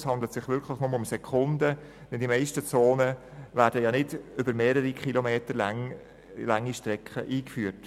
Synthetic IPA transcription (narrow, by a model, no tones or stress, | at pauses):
shɑnd̪l̩ət̪sɪχʋʏɾkʰləχnʊməʊmsɛkʰʊnd̪ə | d̥ɛndimɛɪʃtət͡soːnə | væːɾdəjɑnɪdʏbəɾmeːɾəɾikχilomeːtəɾlŋ | lɑŋːiʃtɾɛkχə̰ʔiːkfyːət